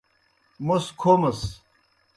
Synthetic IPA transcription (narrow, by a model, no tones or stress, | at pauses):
moskʰoːmɐs